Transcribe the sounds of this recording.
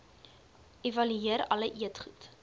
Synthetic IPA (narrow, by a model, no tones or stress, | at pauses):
ʔevɐlyiəɾɐləʔiətχut